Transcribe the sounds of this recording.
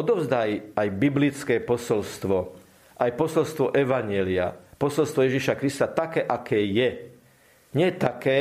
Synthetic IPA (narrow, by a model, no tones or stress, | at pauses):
ɔd̪ɔʊzd̪ajajbiblit͡skɛːpɔsɔlst̪ʋɔ | ʔajpɔsɔlst̪ʋɔʔɛʋaɲɪɛlia̰pɔsɔlst̪ʋɔjɛʒiʃakɾist̪at̪akɛːʔakʰɛːjɛ | ɲɪɛt̪akɛː